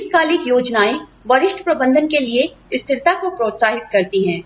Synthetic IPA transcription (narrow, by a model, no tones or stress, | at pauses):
skaːlɪkjoːd͡ʒnaːiʋɐɾɪʃʈʰpɾɐbə̃nd̪ʱənkelieɪst̪ʰɪɾt̪akopɾoːt̪saːɦɪt̪̚kɐɾt̪iɦɛ̃ː